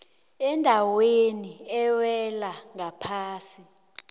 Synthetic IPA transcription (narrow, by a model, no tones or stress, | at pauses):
ɛndʱaweniɛwɛlaŋapʰaːsi